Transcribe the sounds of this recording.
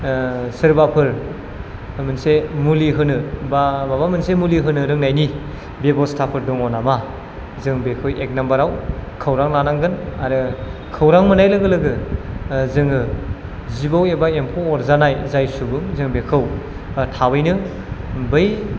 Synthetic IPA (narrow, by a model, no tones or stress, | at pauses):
sɯɾbapʰɯɾ | mɯnsemuliɦɯnɯbababamɯnsemuliɦɯnɯɾɯŋnajni | bebɔstʰapʰɯɾdɔŋɔnama | zɯŋbekʰɯwek̚nambaɾawkʰɐwɾaŋlanaŋɡɯnaɾɯkʰɐwɾaŋmɯnajlɯɡɯlɯɡɯ | zɯŋɯ | zibawebaempʰoɔɾzanajzajsubɯŋzɯŋbekʰɯw | tʰawɯjnɯ | bɯj